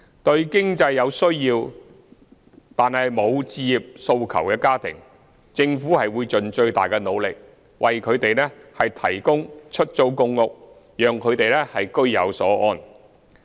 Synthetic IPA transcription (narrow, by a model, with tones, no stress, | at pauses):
t̪ɵ˧ɥkɪ˥ŋt͡sɐ˧jːɐ˨˧wsɵ˥ɥjiː˧w | t̪aː˨nhɐ˨jmo˨˧wt͡siː˧ji˨p̚so˧wkʰɐ˨˩wkɛː˧kaː˥t̪ʰɪ̰˨˩ŋ | t͡sɪ˧ŋfuː˨˥hɐ˨jwuː˨˧jt͡ʃɵ˨nt͡ʃɵ˧ɥt̪aː˨jkɛ˧no˨˧wlɪ˨k̚ | wʔɐ˨jkʰɵ˨˧ɥt̪e˨jlɛː˥hɐ˨jt̪ʰɐ˨˩jkʊ˥ŋt͡ʃʰɵ˥t̚t͡so˧˥wkʊ˧ŋːʊ˨k̚ | jœː˨ŋkʰɵ˨˧ɥt̪e˨jlɛː˥hɐ˨jkɵ˥ɥjɐ̰˨˧wsɔː˨˥ʔɔː˧˥n